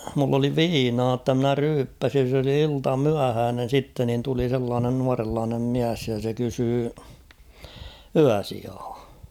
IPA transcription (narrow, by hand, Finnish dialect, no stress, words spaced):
mulː oli ʋiːnɑː tːɑ mnæ ryːpːæsin̞ s oli iltɑmyæhæːnen̞ sitːe nin tuli selːɑːnen nuɑrelːɑːnem miæs jɑ se kysyː yæsiɑː